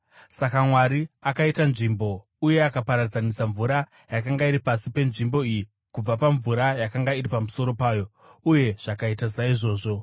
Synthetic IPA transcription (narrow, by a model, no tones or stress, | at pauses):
sakamwaɾiakaitanʐimbo̞ | uje̞akapaɾard͡zanisaɱvuɾa | jakaŋɡaiɾipasipe̞nʐimbo̞iji | kub͡vapaɱvuɾajakaŋɡaiɾipamuso̞ɾo̞paːjo̞ | uje̞ʐ̥akaitasaiʐo̞ːʐo̞